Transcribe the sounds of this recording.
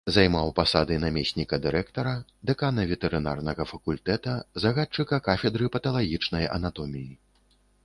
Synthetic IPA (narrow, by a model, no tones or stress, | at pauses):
zajmawpasad̪ɨnamʲesʲnʲikɐd̪ɨɾɛkt̪ɐɾɐd̪ɛkanɐvʲɛt̪ɛɾɨna̰rnɐɣɐfɐkulʲt̪ɛt̪ɐzɐɣat̚t͡ʂːɨkɐkafʲɛd̪ɾɨpɐt̪ɐlˠaɣʲit͡ʂnɐjɐ̰nat̪ɔmʲiji